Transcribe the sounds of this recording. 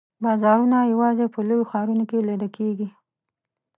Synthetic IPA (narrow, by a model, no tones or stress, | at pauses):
bɑzɑɾunajawɑzepəlojoxɑɾunokeled̪əkʰeɡi